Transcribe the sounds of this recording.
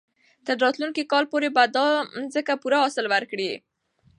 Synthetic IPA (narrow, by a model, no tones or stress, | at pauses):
t̪əɾːɑt̪lunkikɑlpoɾebad̪ɑnzəkapuɾaɦɑsɪlwaɾkɽi